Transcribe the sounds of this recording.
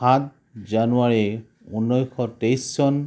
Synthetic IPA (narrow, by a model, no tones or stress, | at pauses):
at̚ | zanuaɹi | unːɔjxɔtejsːɔn